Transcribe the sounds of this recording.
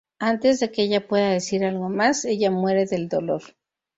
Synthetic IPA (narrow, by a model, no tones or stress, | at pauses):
ant̪e̞zðe̞keeʝapwe̞ðaðe̞siɾalɣo̞mase̞ʝamwe̞ɾe̞ðe̞ld̪o̞lo̞ɾ